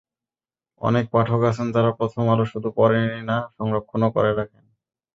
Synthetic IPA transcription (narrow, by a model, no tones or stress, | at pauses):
ɔ̰nek̚paʈʰokasʰend͡ʑaɾapɾot̪ʰomaloʃud̪ʱupɔɾeninaʃɔŋɾokʰːonokɔ̰ɾeɾakʰen